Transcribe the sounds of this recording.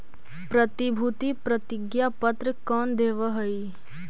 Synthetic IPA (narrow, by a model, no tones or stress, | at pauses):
pɾət̪ibʱut̪ipɾɐt̪ɪɡjapɐt̪ɾəkɔːnd̪eːʋəɦɐi